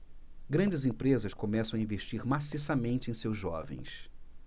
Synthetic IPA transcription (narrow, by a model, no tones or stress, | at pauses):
ɡɾɐ̃nd͡ʒɪzẽpɾezɐskõmɛsɐ̃w̃ɐĩveʃt͡ʃiɾmasisɐmẽnt͡ʃɪẽj̃sewzʒɔvḛ̃j̃s